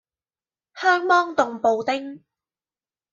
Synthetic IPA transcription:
hœː˥ŋmɔː˥ŋt̪ʊ˨ŋpo˨˧wt̪ɪ˥ŋ

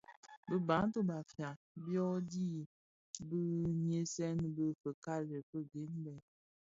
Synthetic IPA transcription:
bə˦ba˨˦n˦to˦ba˨fja˨ | bjɔ˦di˦˨ | bə˦nje˦sɛ˦nbə˦fə˨ka˦lə˨pə˦ɡe˨˦nbɛ˨

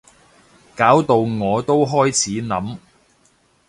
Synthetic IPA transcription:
kaː˨˥wt̪o˨˧wŋɔː˨˧t̪o˥wɦɔː˥jt͡sʰiː˨˥nɐ˨˥m

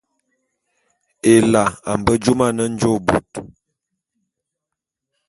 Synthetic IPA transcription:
e˨la˨a˨m˨bə˦d͡ʒu˦ma˦˨nə˦n̩˦d͡ʒo˦˨bṵ˨t

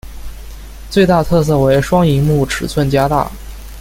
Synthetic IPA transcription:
t͡swe˥˧ɪt̪a˥˧t̪ʰɤ˥˧s̬ɤ˥˩we˧˥ɪʂwɑ˥ŋi˧˥ŋmu˥˩ʈ͡ʂʰɻ̩˨˩t͡sʰwə˥˩nt͡ɕja˥t̪a̰˥˩

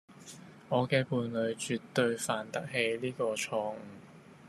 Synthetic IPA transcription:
ŋɔː˨˧kɛː˧puː˨˧nlɵ˨˧ɥt͡ʃyː˨t̪ːɵ˧ɥfaː˨nt̪ɐ˥k̚ɦe˨˧jliː˥kɔː˧t͡ʃʰɔː˧ŋ̩ː˨˧˩

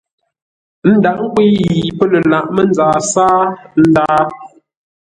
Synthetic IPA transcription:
n̩˦da˨ʔ̚ŋ̩˦kwi˦ji˨pə˦lə˨la˨ʔmə˦n˦d͡zaː˨saː˦n̩˦daː˦

